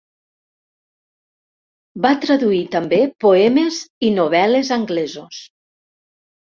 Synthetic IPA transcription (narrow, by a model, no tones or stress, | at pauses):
bat̪ɾaðuit̪əmbepoɛmezinoβ̞ɛlezaŋɡlɛzos